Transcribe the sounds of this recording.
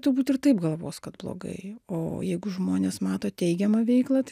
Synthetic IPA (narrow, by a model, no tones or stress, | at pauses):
t̪ʊɾbuːt̪ɪrt̪ɐɪpɡɐlˠʋo̰ːskɐt̪blˠo̰ːɡɐ̰ɪo̰ːjɛɪɡʊʒmoːnʲeːsmɑːt̪oːt̪ʲɛɪɡʲɛmɐʋʲɛɪklˠɐt̪